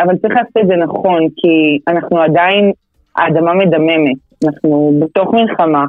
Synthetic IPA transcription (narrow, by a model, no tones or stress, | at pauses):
avalt͡saʁḭχlaːsotedzenaχo̞nkʰianaχnuadain | a̰ːdamame̞dame̞me̞tanaχnubet̪o̞χmilχama